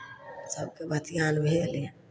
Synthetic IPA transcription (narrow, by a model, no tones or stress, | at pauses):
sɐb̚kebɐt̪ijãːlbʱeːle